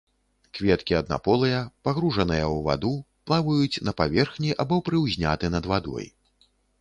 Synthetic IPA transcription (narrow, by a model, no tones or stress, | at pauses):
kvʲɛt̪kʲiɐd̪̚na̰pɔlˠɨjɐpaɣɾuʐɐnɨjɐwva̰d̪u | plˠavɐjut͡sʲnɐpavʲɛrxnʲiʔabɔpɾɨwzʲnʲa̰t̪ɨnɐd̪vad̪ɔ̰j